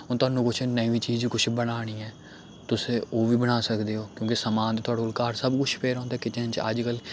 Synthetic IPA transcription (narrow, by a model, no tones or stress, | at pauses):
oːt̪ʊaːnũːkʊt͡ʃʰnəiʋiːt͡ʃiːzkʊt͡ʃʰbəɽaːɽ̃iːɛː | t̪ʊsẽːoːʋiːbəɽaːsəkd̪eːoːkjõːkɪsəmãːnt̪t̪ʊaːɽoːlkaːɾsəbkʊt͡ʃʰpʰeːɾãːnd̪aːkɪt̪eːənt͡ʃə̰d͡ʒkəl